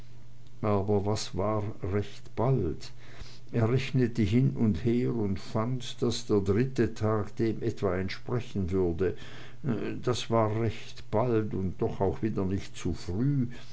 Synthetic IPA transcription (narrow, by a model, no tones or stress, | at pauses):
ʔaːbɐvasvaːʁ | ʁɛçtb̥alt | ʔeːɐʁɛçnətəɦɪnʔʊntheːʁʊntfantd̥asd̥eːɐdʁɪtətʰaːkd̥eːmʔɛtv̥aɛntʃpʁ̥ɛçn̩vʏɐdə | d̥asv̥aːʁɛçtb̥altʊnt̚d̥ɔχaʊxv̥iːdɐnɪçtt͡sufʁyː